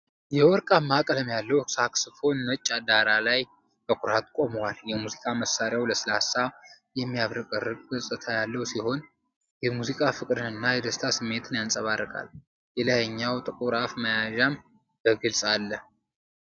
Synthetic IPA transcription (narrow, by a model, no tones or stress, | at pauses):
jɛwɔɾkʼamːakʼələmjalːəwsaksɨfo̞nːət͡ʃʼːad̪aɾalaj | bəkʼuɾat̪kʷʼo̞məwaljɛmuzikʼaməsaɾjawləsɨlasa | jɛmːijaβɾɨkʼərːɨkʼɡəsʼɨt̪ʰajalːəwsiho̞n | jɛmuzikʼafɨkʼɾɨnɨnːajɛd̪əst̪ʰasɨmːe̞t̪ʰɨnjansʼəβarːəkʼa̰l | jɛlajəɲːawt̪ʼɨkʼuɾafməjaʒam | b̥əɡɨlsʼalːə